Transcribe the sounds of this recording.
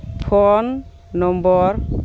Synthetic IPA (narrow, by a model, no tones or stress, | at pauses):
pʰɔnː | ɔmbɔɹ